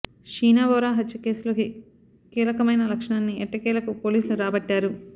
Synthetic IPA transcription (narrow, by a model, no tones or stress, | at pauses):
ʃiːnaːbɔːɾaːɦɐt͡ʃːɐke̞ːsuloki | kiːlɐkɐmɐjnɐlɐkʂɐɳaːnːiɛʈːɐkiːlɐkupoːliːsluɾaːbɐʈːaːɾu